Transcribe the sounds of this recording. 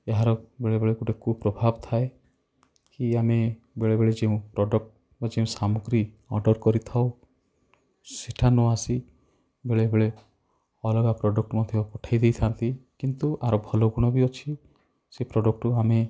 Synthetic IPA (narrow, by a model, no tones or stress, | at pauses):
eɦaɾɔbeɭebeɭekuʈekʰupɾɔbʱabt̪ʰae | kiame | beɭebeɭed͡ʒeũpɾɔɖɔk̚ʈ | bad͡ʒeũsamuɡɾi | ɔɾɖɔɾkɔɾit̪ʰaw | seʈʰanɔasi | beɭebeɭe | ɔlɔɡapɾɔɖɔk̚ʈmɔd̪ʱjɔpɔʈʰajd̪ejt̪ʰant̪ikint̪uʔaɾobʱɔlɔɡuɽ̃ɔbiɔt͡ʃʰi | sepɾɔɖɔk̚ʈuame